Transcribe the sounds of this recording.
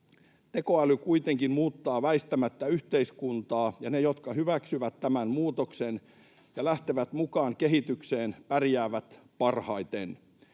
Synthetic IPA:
t̪e̞ko̞ælykujt̪e̞ŋkinmuːt̪ːɑːʋæist̪æmæt̪ːæyht̪eiskunt̪ɑːjɑne̞jo̞t̪kɑɦyʋæksyʋæt̪ːæmænmuːt̪oksen | jɑlæht̪eʋæt̪mukɑːŋke̞ɦit̪ykseːnpærjæːʋæt̪pɑrhɑjt̪en

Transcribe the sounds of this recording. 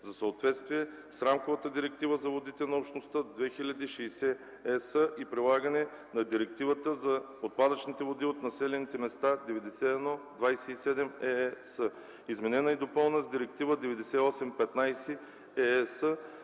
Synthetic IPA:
zɐsəot̪vɛt̪st̪viɛ | sɾamkovət̪əd̪iɾɛk̚t̪ivəzɐvod̪it̪ɛnɐopʃt̪nost̪əd̪vɛxilʲɐd̪iːʃɛjsɛ | ɛsəʔipɾilˠaɡənɛ | nɐd̪iɾɛk̚t̪ivət̪əzɐ | ot̪̚pad̪ət͡ʃnit̪ɛvod̪iot̪nɐsɛlʲɛnit̪ɛmɛst̪ad̪ɛvɛd̪ɛsɛɛd̪nɔd̪vajsɛisɛd̪ɛmɛsə | izmɛnɛnəid̪opɤlˠnəzd̪iɾɛk̚t̪ivəd̪ɛvɛd̪ɛsɛiɔsɛmpɛt̪najsɛ | ɛsə

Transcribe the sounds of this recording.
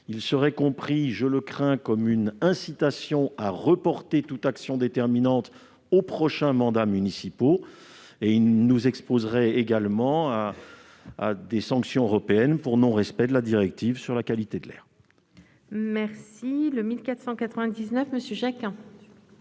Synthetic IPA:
ilsəʁɛkɔ̃pχiʒələkχɛ̃kɔmynɛ̃sit̪asjɔ̃aʁəpɔʁt̪et̪ut̪aksjɔ̃d̪et̪ɛʁminɑ̃t̪ | opχɔʃɛ̃mɑ̃d̪amynisipo | eilnuzɛkspozʁɛeɡalmɑ̃a̰ː | d̪esɑ̃ksjɔ̃øʁɔpeɛnpuʁnɔ̃ʁɛspɛd̪əlad̪iʁɛk̚t̪ivsyʁlakalit̪ed̪əlɛ̰ːʁ | mɛʁsiləmilkat̪χsɑ̃kat̪χəvɛ̃d̪iznœfməsjøʒakɛ̃

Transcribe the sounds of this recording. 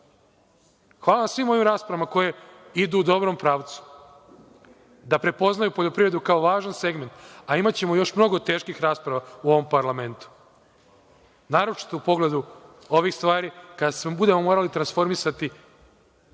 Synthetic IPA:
xʋaːlˠaʋamsʋimo̞ʋimɾaːspɾamako̞je̞id̪uːd̪o̞bɾo̞mpɾaːʋt̪su̥ | d̪apɾe̞po̞znajupo̞ʎo̞pɾiʋɾe̞d̪ukao̞ʋaːʒanse̞ɡme̞nt̪aimat͡ɕe̞mo̞jo̞ʃmno̞ɡo̞t̪e̞ːʃkixɾaːspɾaʋauo̞ʋo̞mpaɾlˠame̞nt̪u̥ | naːɾot͡ʃi̥t̪oupo̞ɡle̞d̪u | o̞ʋixst̪ʋaːɾikad̪asmobud̪e̞mo̞mo̞ːɾalit̪ɾansfo̞ɾmisat̪i

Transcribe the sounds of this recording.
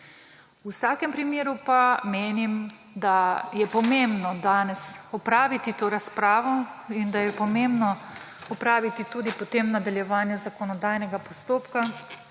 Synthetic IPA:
usaːkɛmpɾimjeːɾupameːnim | d̪ajɛpɔmembnɔd̪aːnɛsɔpɾaːʋit̪it̪oːɾaspɾaːʋɔind̪ajɛpɔmembnɔ | ɔpɾaːʋit̪it̪uːd̪ipɔt̪eːmnad̪aljɛʋaːnjɛzakɔnɔd̪aːjnɛɡapɔst̪oːpka

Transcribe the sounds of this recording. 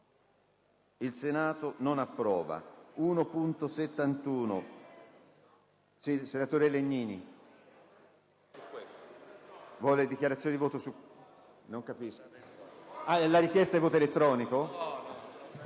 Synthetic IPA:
ilsenaːt̪ononapːɾɔːva̰uːnopunt̪oset̪ːant̪uːno̰ | sisenat̪oːɾeleɲːiːnḭ | vwɔːled̪ikjaɾat̪sjonid̪ivoːt̪osu | noŋkapisko | alaɾikjɛst̪aɛvoːt̪oelet̪ːɾɔːniko

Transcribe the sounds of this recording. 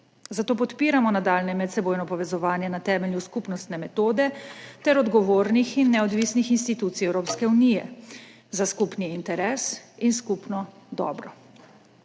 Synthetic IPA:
zat̪oːp̬ɔt̪piːɾamɔnad̪alnɛmɛt̪sɛboːjnɔpɔʋɛzɔʋaːnjɛnat̪ɛːmɛljuskupnɔst̪nɛmɛt̪oːd̪ɛt̪ɛɾɔd̪ɡɔʋoːɾnixinːɛɔd̪ʋiːsnixinst̪it̪uːt̪sijɛwɾoːpskɛunijɛ̰ | zaskupniːnt̪ɛɾɛːsinskupnɔd̪ɔ̰ːbɾɔ

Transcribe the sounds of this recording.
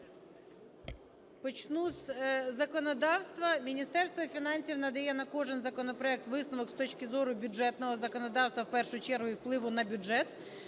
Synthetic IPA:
pɔt͡ɕnusʲzɐkɔnɐd̪ɑfst̪ʋɐmʲɪnʲist̪ɛrst̪ʋɐfʲɪnɑnʲsʲiwnɐd̪ɐjɛnɐkoʐɛnzɐkɔnəpɾɐɛk̚t̪ʋɨsnɐʋɔkst̪ot͡ɕkʲɪzoɾʊbʲʊɛt̪nɔʋɔzɐkɔnɐd̪ɑwst̪ʋɐfpɛrʂʊjʊt͡ɕɛrɦʊifplˠɪʋʊnɐbʲʊʐɛt̪

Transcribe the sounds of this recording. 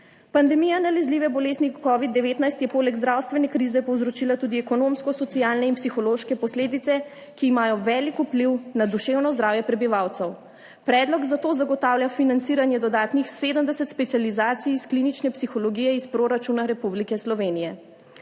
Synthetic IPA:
pand̪ɛmijanalɛzliʋɛbɔleːznikɔʋid̪dːɛʋeːt̪najst̪jɛpoːlɛɡzd̪ɾawst̪ʋɛnɛkɾiːzɛpɔwzɾɔt͡ʃiːlat̪uːd̪iɛkɔnomskɔsɔt̪siaːlnɛinpsixɔloʃkɛpɔsleːd̪it̪sɛ | kiːmaːjɔʋɛːlikupliwnad̪uʃeːwnɔzd̪ɾawjɛpɾɛbiʋawt̪səw | pɾɛːd̪lɔɡzat̪oːzaɡɔt̪aːwljafinant̪siːɾanjɛd̪ɔd̪aːt̪nixseːd̪əmd̪ɛsət̪spɛt̪sializaːt̪siːsklinit͡ʃnɛpsixɔlɔɡiːjɛispɾoɾat͡ʃunaɾɛpublikɛslɔʋeːnijɛ

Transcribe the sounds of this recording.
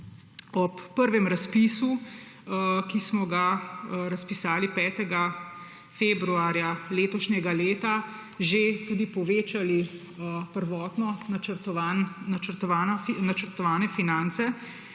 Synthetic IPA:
ɔpːəɾʋɛmɾaspiːsu | kismɔɡaɾɐspisaːlipɛːt̪ɛɡa | feːbɾuaːɾjaleːt̪ɔʃɲɛɡaleːt̪a | ʒet̪uːd̪ipɔʋeːt͡ʃali | əpəɾʋɔːt̪nɔəɾt̪ɔanːat͡ʃəɾt̪ɔʋaːnɔnat͡ʃəɾt̪ɔʋaːnɛfinant̪sɛ

